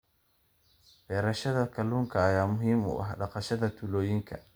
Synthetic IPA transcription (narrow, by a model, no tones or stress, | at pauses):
bɛːɾɐʃɐðɐkʰɐluːŋkʰɐːjaːmʊɦiːmʊ̰ʔɐ̰ɦɖɑqɑʃɐðɐt̪ʰʊlɔːjɪŋkʰɐ̰